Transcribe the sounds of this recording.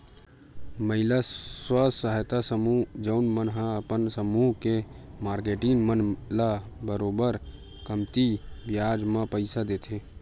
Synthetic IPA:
məɦɪlaswəsəɦjt̪asəmud͡ʒəʊnmənɦãəpənsəmuːɦkemaːɾkeʈɪŋmənlabəɾoːbəɾ | kəmt̪ibjaːd͡ʒmãpəɪsad̪eːt̪ʰe

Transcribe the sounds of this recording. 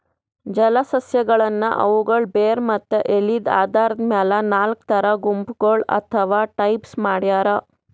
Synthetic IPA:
d͡ʒɐlɐsɐsjɐɡɐɭɐnːɐʔɐ̰ʋuɡɐɭbeːɾmɐt̪ːeʔelid̪a̰ːd̪aːɾɐd̪maːlɐnaːlk̚t̪ʰɐɾɐɡumpɡoɭɐ̰t̪ʰɐʋaːʈɐjpsmaːɽjaːɾɐ

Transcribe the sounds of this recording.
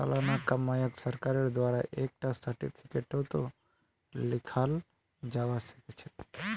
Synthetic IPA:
a̰lanakəmːajəksəɾkaɾed̪ʋaɾaʔek̚ʈasəɾʈḭpʰi̥keʈot̪o | lɪkʰal | d͡ʒaʋaʃə̥ket͡ʃʰe̥

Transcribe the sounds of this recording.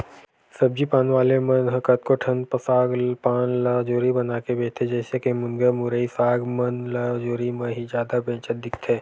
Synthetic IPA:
sɐb̚d͡ʒipaːnʋaːlemɐ̃nɦəkət̪̚koʈʰɐnpəsaːɡpaːnlaːd͡ʒoːɾibɐnaːkebeːt̪ʰed͡ʒɛːsekemʊŋɡəmʊɾəisaːɡmɐnlad͡ʒoːɾimẽɦid͡ʒjaːd̪abẽːt͡ʃət̪̚d̪ɪkʰt̪ʰeː

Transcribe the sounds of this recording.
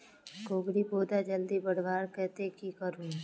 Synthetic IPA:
ɡoːɡɽiboːd̪ad͡ʒəld̪ibəɽʋaːɾkɛːt̪ekikəɾũː

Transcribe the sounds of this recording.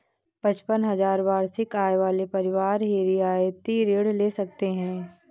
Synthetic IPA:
pɐt͡ʃpənɦɐzaːɾʋaːɾsɪkaːeʋaːlepɐɾɪʋaːɾɦeːɾijaːet̪iɾeːɽleːsɐk̚t̪eɦɛ̃ː

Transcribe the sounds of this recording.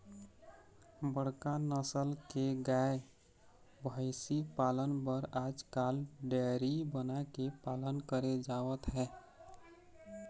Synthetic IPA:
bəɽkanəsəlkeɡae | bʱəɪsipalənpəɾad͡ʒkalɖɛɾibənakepalənkəɾed͡ʒaʋət̪ɦɛː

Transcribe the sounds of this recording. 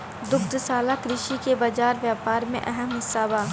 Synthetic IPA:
d̪ʊkʰd̪saːlakɾɪʃikebɐd͡ʒaːɾʋjaːpaːɾmḛ̃ʔɛɦəmɦɪsːaːbaː

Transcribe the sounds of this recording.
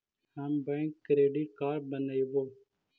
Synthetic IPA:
haːmbɛ̃ːkːɾeːɖiːʈ̚kaːɾbənaːiʋoː

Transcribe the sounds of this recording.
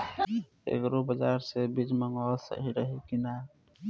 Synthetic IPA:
ḛkɾobəd͡ʒaɾsebid͡ʒməŋɔlsə̰ɦiɾəɦikina

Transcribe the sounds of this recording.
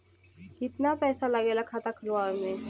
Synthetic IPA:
kɪt̪napɛsalaɡelakʰat̪akʰəlaɾme

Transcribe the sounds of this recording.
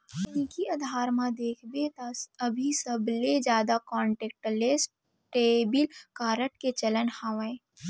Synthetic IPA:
nikiɐd̪ʱaːɾmãd̪eːkʰbet̪aɐbʱisəbled͡ʒjaːd̪akɔ̃ːɳʈeːk̚ʈles | ʈeːbɪlkaːɾəʈket͡ʃɐlənhaːʋẽ

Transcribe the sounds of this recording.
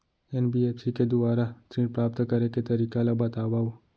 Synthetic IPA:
enbiepsiked̪uʋaɾat̪ɾĩɖpɾap̚t̪kəɾeket̪əɾikalabət̪aʋao

